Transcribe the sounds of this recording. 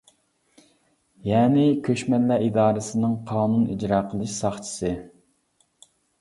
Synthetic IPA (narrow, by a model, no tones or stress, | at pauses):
jɛːnɪkʲʰøʃmɛnlæid̪ɑːɾɨsɨnɨŋqʰɑːnunḭd͡ʒɾɑːqʰəlˠɨʃsɑχt͡ʃʰi̥sɨ